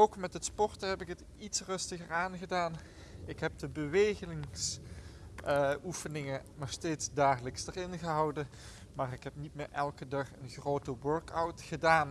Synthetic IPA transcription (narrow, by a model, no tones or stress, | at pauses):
owkmɛtətspɔɹtəɦɛpɪkɦət | itsrɵstəɣəɹaːnɣədaːn | ɪkɦɛp̚dəbəʋejχənɪŋs | ufənɪŋənɔχsteːtzdaːχələksdərɪnɣəɦɑwdə | maːrɪkɦɛp̚nit̚mɪːɹʔɛlˠkədɑχənχrowtəwøɹkawtχədaːn